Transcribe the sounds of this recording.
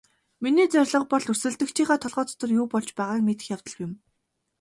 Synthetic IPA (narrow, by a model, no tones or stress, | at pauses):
miniːt͡sœrʲɮə̆q̚pɔɮusɘ̆ɮt̪ɘ̆kt͡ɕʰiːχaːt̪ʰɔɮʁɔːt͡sʰt̪ɞ̆rjuːpɔɮt͡ɕpæːʁaːkmet̪ɘ̆xʲjaw̥t̪ə̆ɮɣjɪ̆m